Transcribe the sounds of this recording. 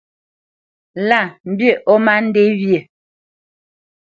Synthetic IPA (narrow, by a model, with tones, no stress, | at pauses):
la˦˨m̩˦bje˦˨ʔɔ˦ma˦n̩˦de˦wje˨